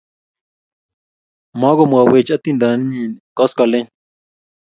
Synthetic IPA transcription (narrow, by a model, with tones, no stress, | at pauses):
mã˦ɡo˦mu˨a˨we˨t͡ʃa˦t̪i˦˧nd̪a˨ni˦ɲĩ˨kɔ˦ska˨lẽ˦ɲ